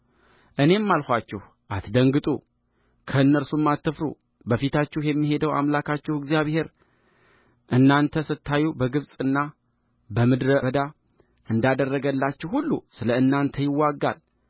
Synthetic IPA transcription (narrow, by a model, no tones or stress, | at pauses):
ʔɨne̞mːalxʷat͡ʃːɛh | ʔat̪d̪əŋɡɨt̪ʼṵ | kʰəɨnːəɾsumːat̪ːɨfɾṵ | bəfit̪ʰat͡ʃːɛhjɛmːiɦe̞d̪əwa̰mlakʰat͡ʃːɛhɨɡzijaβhe̞ɾ | ʔɨnːant̪ʰəsɨt̪ʰːajubəɡɨβsʼɨnːa | bəmɨd̪ɾəəd̪a | ʔɨnd̪ad̪ərːəɡəlːat͡ʃːɛhhulːṵsɨləɨnːant̪ʰəjɪwːaɡːa̰l